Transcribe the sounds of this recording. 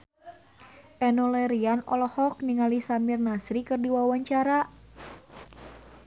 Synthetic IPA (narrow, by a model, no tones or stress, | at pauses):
ʔɛnɔlɛɾianɔ̰lɔhɔk̚niŋalisamirnasɾikɨrdiwawaɲt͡ʃaɾa